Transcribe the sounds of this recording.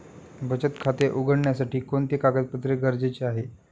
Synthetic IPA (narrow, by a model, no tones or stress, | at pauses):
bət͡ɕət̪kʰat̪eʔuɡʱəɳɳjasaʈiːkont̪ekaɡət̪̚pət̪ɾeɡəɾd͡ʑet͡ɕeaɦe